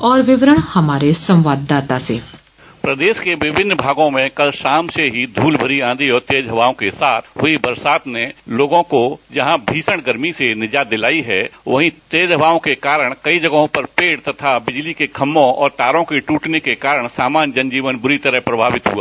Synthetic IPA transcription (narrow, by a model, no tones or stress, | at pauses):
ɔːɾʋɪʋɾəɳ̃həmaːɾesə̃mʋaːd̪ːaːt̪asḛː | pɾɐd̪eːʃkeʋɪbʱɪnːbʱaːɡõmẽkɐlʃaːmseɦid̪ʱuːlbʱəɾiãːnd̪iɔːɾt̪eːd͡ʒɦɐʋaːõkesaːt̪ʰɦʊibɐɾsaːt̪neloːɡõkod͡ʒɐɦãbʱiːsəɽ̃ɡəɾmisenɪd͡ʒaːd̪ɪlaːiɦɛːʋɐɦĩt̪eːd͡ʒɦəʋaːõkekaːɾəɽ̃kɐid͡ʒɐɡɦõpɐɾpeːɽt̪ɐt̪ʰabɪd͡ʒlikekʰɐmːõɔ̰ːɾt̪aːɾõkeʈuːʈnekekaːɾəɽ̃saːmaːnd͡ʒɐ̃nd͡ʒiːʋənbʊɾit̪ɐɾəɦpɾɐbʱaːʋɪt̪ɦṵa̰ː